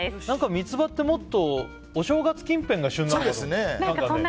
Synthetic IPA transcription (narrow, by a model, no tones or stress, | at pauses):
nãŋkamʲit͡sɨbat̪ːe̞mo̞t̪ːo̞ | oɕo̞ːɡat͡sɨ̥kʲĩmpẽ̞ŋɡaɕɨ̃nːoːd̪esɨnenããŋkakaõnː